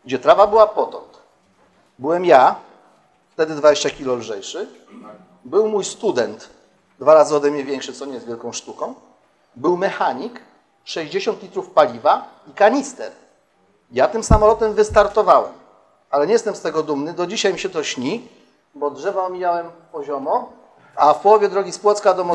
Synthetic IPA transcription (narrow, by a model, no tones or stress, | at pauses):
ɡ̚d͡ʑɛt̪ɾavabɘwapɔt̪ɔ̰nt̪ | bɘwɛmja | ft̪ɛd̪ɘd̪vad͡ʑeɕt͡ɕakʲilɔlʐɛjʂɘ | bɘwmujst̪ud̪ɛnt̪ | d̪vaɾazɘɔd̪ɛmɲɛvʲjɛŋkʂɘt̪sɔɲɛjzvʲjɛlkɔ̃w̃ʂt̪ukɔ̃w̃ | bɘwmɛxaɲik | ʂɛʑd͡ʑeɕɔnt̪lʲit̪ɾufpalʲiva | ikaɲist̪ɛ̰ɾ | jat̪ɘmsamɔlɔt̪ɛmvɘst̪aɾt̪ɔvawɛm | alɛɲɛjɛst̪ɛmst̪ɛɡɔd̪umnɘd̪ɔd͡ʑiɕajmʲiɕɛt̪ɔɕɲi | bɔdʐɛvaɔmʲijawɛmpɔʑɔmɔ | afpwɔvʲjɛd̪ɾɔɡʲispwɔt̪skad̪ɔmɔ